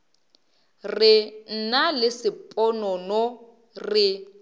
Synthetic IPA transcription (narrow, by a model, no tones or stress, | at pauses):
rɪn̩nalɪsɪpʼɔnɔnɔ | rɪ